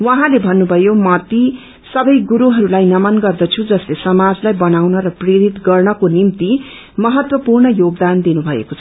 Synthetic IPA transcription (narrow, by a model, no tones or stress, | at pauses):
wʌ̃ɦãlebʱʌnːubʱʌjomʌt̪i | sʌbʌjɡuɾuɦʌɾulajnʌmʌnɡʌrd̪ʌt͡sʰud͡zʌslesʌmad͡zlajbʌnawnʌɾʌpreɾit̪ɡʌrnʌkonimt̪i | mʌɦʌt̪wʌpurnʌjoɡ̚d̪and̪inubʱʌḛkot͡sʰʌ